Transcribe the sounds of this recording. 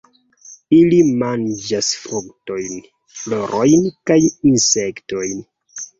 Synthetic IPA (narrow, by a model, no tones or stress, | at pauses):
ilimand͡ʒasfɾukto̞jn | flo̞ɾʔo̞jnkajinse̞kto̞jn